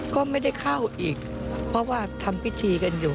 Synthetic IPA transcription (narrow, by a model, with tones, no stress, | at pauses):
kɔː˥˩ma˥˩jda˥˩jkʰa˥˩wʔiː˨˩k̚ | pʰɾɔ˦˥waː˥˩t̪ʰa˧mpʰi˦˥t̪ʰiː˧ka˧njuː˨˩